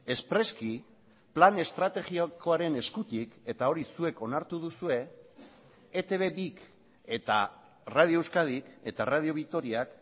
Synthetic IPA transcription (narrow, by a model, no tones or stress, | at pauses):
e̞spɾe̞ski | plane̞st̪ɾat̪e̞ɣioko̞aɾe̞ne̞skut̪ike̞t̪ao̞ɾisue̞ko̞naɾt̪uð̞usue̞ | et̪e̞β̞e̞βik | e̞t̪a̰ | rað̞ioewskað̞ike̞t̪arað̞io̞β̞ikt̪o̞ɾiak